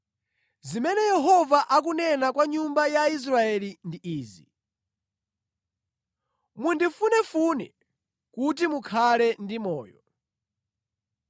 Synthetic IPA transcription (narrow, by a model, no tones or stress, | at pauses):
zimɛnɛjɛɦɔvaʔak̬unɛnakwaɲumbajais̬ɾaɛlindiʔiːzḭ | mundifunɛfunɛ̰ | kutimukʰalɛndimɔ̰ːjɔ